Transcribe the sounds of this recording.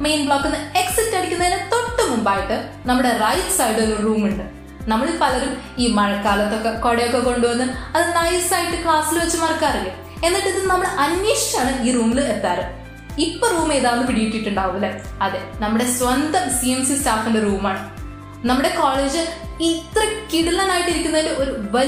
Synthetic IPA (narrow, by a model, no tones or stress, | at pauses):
mejnbɭoːkːenːɨe̞ksitːɐɽikʲːunːɐðinet̪o̞ʈːɐmumbaːjiʈːɨ | nɐmːuɽe̞rɐjtɨ̥saːjʈɨlːoruːmuɳɖɨ | nɐmːɐɭipɐlɐɾumiːmɐɻɐkːaːlɐt̪ːokːeko̞ɽejokːeko̞ɳɖuʋɐnːɨɐðɨnɐjsaːjiʈːɨkɭaːsilʋɐt͡ɕːɨmɐrkːaːɐrɐŋːim | e̞nːiʈːɨðɨnːnɐmːɐɭɨʔɐnjeːʂi̥t͡ɕːaːɳɨiːruːmilet̪ːaːɾɨ | ipːoruːme̞ːðaːnːɨpiɽijiʈːiʈːuɳɖaːʋumɐlːɐɐðenɐmːuɽe̞sʋɐnd̪ɐmsiemsistaːfinderuːmaːɳɨ | nɐmːuɽe̞koːɭeːd͡ʑɨit̪rɐkiɽilɐnaːjiʈːiɾikʲːunːɐilɖɨo̞ɾuʋɐ